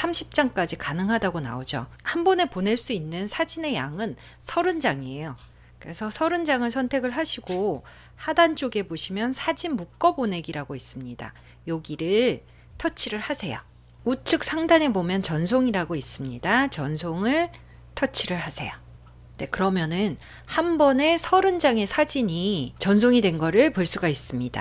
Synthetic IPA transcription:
sʰamɕʰi̥p̚t͡ɕ͈aŋk͈ad͡ʑikanɯŋɦadaɡona̰od͡ʑo̰ | hambʌne̞pone̞ɭs͈uinːɯnsʰad͡ʑine̞ja̰ŋɯn | sʰʌɾɯnd͡ʑaŋiejo | kɯɾe̞sʰʌsʰʌɾɯnd͡ʑaŋɯɭsʰʌntʰe̞ɡɯɭɦaɕʰiɡo | hadant͡ɕ͈oɡe̞boɕʰimjʌnsʰad͡ʑinmuk͈ʌbone̞ɡiɾaɡois͈ɯmɲida̰ | joɡiɾɯɭ | tʰʌt͡ɕʰiɾɯɭhasʰe̞jo̰ | ut͡ɕʰɯk̚s͈ʰaŋdane̞bomjʌnt͡ɕʌnsʰoŋiɾaɡois͈ɯmɲidat͡ɕʌnsʰoŋɯɭ | tʰʌt͡ɕʰiɾɯɭɦasʰe̞̰jo | ne̞kɯɾʌmjʌnɯn | hambʌne̞sʰʌɾɯnd͡ʑaŋe̞sʰad͡ʑiɲit͡ɕʌnsʰoŋidwe̞nɡʌɾɯɭpoɭs͈uɡais͈ɯmɲida̰

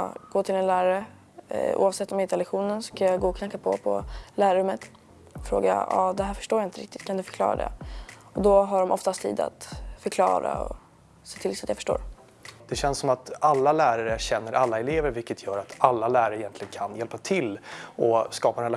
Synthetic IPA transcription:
ɡ̥oːt̪ʰɪlɛnlæːɾaɾə | ʔṵːavsɛt̪ːɔmjaɪnt̪əɾɛlɛɧuːnənskajaɡoːɔkʰnaŋkːapʰɔ̰pʰɔ̰læːɾaɾɵmːət̪ | ɔfɾo̰ːɡa̰ɑ̰ːd̪ɛɦæːɾfœ̥ʂʈoːjaɪnəɾɪ̰kt̪ɪ̥t̪kʰand̪ɵfœ̥ɾkʰlɑ̰ːɾa̰d̪ɛ̰ | ɔd̪ɔɦaɖɔmʔɔft̪ast̪ʰḭːd̪a̰t̪fœɾkʰlɑ̰ːɾa̰ɔ̰ | seːt̪ʰɪlsat̪jafœ̥əʂʈo̰ːɾ | d̪̥ɛɕɛnsɔmat̪alːalæːɾaɾəæɕɛnːəɾʔalːaɛleːvəɾvɪkːət̪ʰjœːɾat̪alːalæːɾaɾɛjɛnt̪lɪɡənkʰanjɛlpat̪ʰɪlɔskɑːpaɛnɾɛl

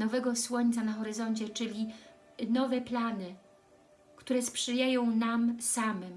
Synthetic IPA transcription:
nɔvɛɡɔswɔɲt̪sanaxɔɾɘzɔɲt͡ɕɛt͡ʂɘlʲi | nɔvɛplanɘ | kt̪uɾɛspʂɘjajɔ̃w̃namsamɘm

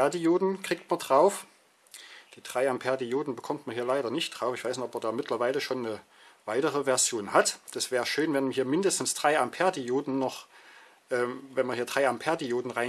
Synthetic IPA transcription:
ɛɐdijoːdn̩kʁ̥iːk̚tmɐndʁaʊf | d̥iːd̥ʁ̥aɪampʰɛɐdioːdn̩bəkʰɔmtmɐnɦiːɐlaɪɾɐnɪçt̚d̥ʁ̥aʊfɪçv̥aɪsnoʔɔpɛɐdaːmɪtʰlɐvaɪləʃoːnːə | v̥aɪtəʁəvɛɐzjoːnhatd̥asv̥ɛːʁəʃøːnvɛnɦiːɐmɪndəstn̩sd̥ʁ̥aɪampʰɛɐdioːdn̩nɔχ | ʔɛːmvɛnmɐnɦiːɐdʁaɪʔampʰɛɐdioːdn̩ʁaɪ

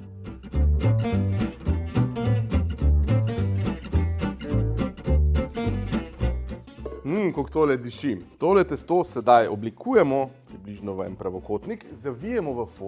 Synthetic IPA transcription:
m̩kokt̪oːlɛd̪iʃit̪oːlɛt̪ɛst̪osɛd̪ajɔblikʰuːjɛmɔpɾibliʒnɔʋəɛ̰npɾaʋɔkoːt̪nikzaʋijɛmɔʋəfo

